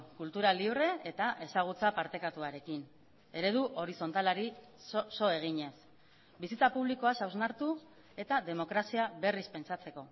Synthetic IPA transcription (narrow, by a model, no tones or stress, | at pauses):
kult̪uɾaliβre̞ːt̪aʔe̞saɣ̞ut͡sapaɾt̪e̞kat̪uaɾe̞kin | e̞ɾe̞ðuʔo̞ɾiso̞nt̪alaɾi | so̞e̞ɣ̞iɲe̞s | bisit͡sapuβliko̞asawznaɾt̪u | e̞t̪aðe̞mo̞kɾasiaβe̞rispe̞nt͡sat͡se̞ko̞